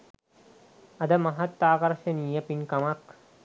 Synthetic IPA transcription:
ɐd̪ɐmɐɦɐt̪ːaːkɐɾʃɐniːjɐpinkɐmɐk

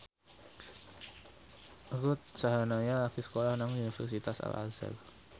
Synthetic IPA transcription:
ɡʊt̪̚saɦanaɲalakisə̥kolahnaŋunifɛrsit̪asa̰la̰zə̰l

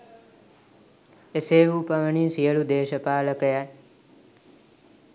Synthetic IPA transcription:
eseːʋuːpɐʋəɳinsijəɭud̪eːʃəpaːləkəja

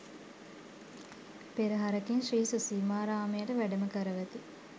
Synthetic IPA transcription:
peɾiɦaɾəkinʃriːsusiːmaːɾaːmejəʈəʋæɖəməkəɾəʋæt̪i

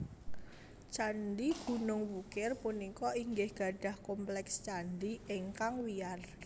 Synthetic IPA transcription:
t͡ʃanɖ̪iɡ̥ṳnʊŋwukɪrpunikɔiŋɡɪhɡ̥a̤ɖ̥a̤hkɔmplɛkst͡ʃandiɪŋkaŋwiar

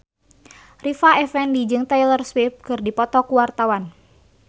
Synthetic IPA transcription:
rifaɛfɛndid͡ʒɨŋt̪ɛjlərswip̚kɨrdipɔt̪ɔkuwart̪awan

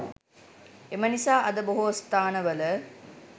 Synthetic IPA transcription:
emɐnisaːʔɐd̪ɐboɦust̪aːnəʋɐlə

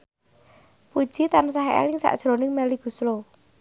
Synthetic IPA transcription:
pud̥ʒ̥it̪ans̬aɦeḛlɪŋsa̰ʔd̥ʒ̥ɾonɪŋmɛliɡ̥ṳslo

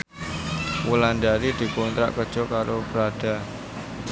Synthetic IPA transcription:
wulandaɾid̪̥i̤kɔnt̪ɾa̰ʔkəd̥ʒ̥ɔ̤kaɾob̥əɾad̥a̤

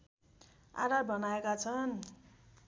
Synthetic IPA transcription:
a̰ɾabʌnaekat͡sʰʌn

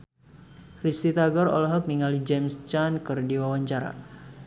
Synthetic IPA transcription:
rist̪it̪aɡɔɾɔ̰lɦɔk̚niŋalid͡ʒɛmst͡ʃankɨrdiwawaɲt͡ʃaɾa̰

